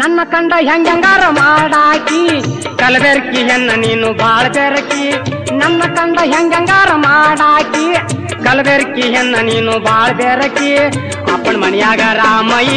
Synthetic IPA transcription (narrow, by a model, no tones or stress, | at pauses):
nɐnːɐkɐɳɖɐɦɐŋɡɐŋɡaːɾɐmaːɽaːki | kɐlbeɾkːiɦenːɐniːnubʱaːɭɐb̪eːɾɐkːinɐnːɐkɐɳɖɐɦɐŋɡɐŋɡaːɾɐmaːɽaːki | kɐlɐbeːɾkːiɦɛnːɐniːnubaːɭɐb̪eːɾɐkːi | ɐ̰pːɐɳmɐɳɐjaːɡɐɾaːmɐji